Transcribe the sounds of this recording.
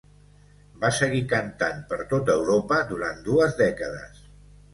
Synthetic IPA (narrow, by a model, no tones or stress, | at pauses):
basəɣikənt̪anpəɾt̪ot̪əwɾopəd̪uɾant̪d̪uəzðɛkəðə̰s